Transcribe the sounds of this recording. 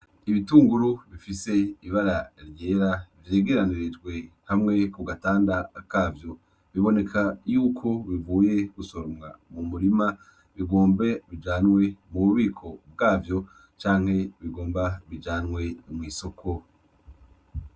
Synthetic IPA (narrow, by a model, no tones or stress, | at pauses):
iβituːŋɡuɾuβifise̞iβaɾaɾje̞ːɾavjeːɡeɾaniɾid͡ʒɡwe̞hamŋe̞kuɡataːndakaːvjo̞ | βiβo̞ne̞kʰajuːkʰo̞βivuːje̞ɡ̥usoɾomŋamumuɾima | βiɡo̞ːmbe̞βid͡ʒaːnwe̞muβuβiːkʰo̞b̚ɡaːvjo̞ | t͡ʃaːŋ̥he̞βiɡo̞ːmbaβid͡ʒaːnŋwe̞mŋiːso̞kʰo̞